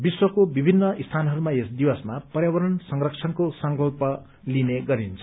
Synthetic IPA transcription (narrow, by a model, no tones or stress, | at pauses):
biswʌkobibʱinːʌist̪ʰanɦʌɾumaesd̪iwʌsmapʌrjawʌɾʌnsʌŋrʌk̚t͡sʰʌnkosʌŋkʌlpʌ | lineɡʌɾint͡sʰʌ̥